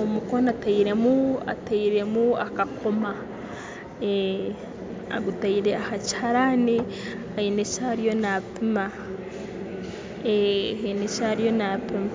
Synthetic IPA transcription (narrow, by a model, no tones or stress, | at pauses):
omuko̞nataiɾe̞mua̰taiɾe̞muakakʰo̞ma | e | a̰ɡutaiɾe̞ahaci̥haɾani | hainechaɾijo̞napima | ehainecaɾijo̞napima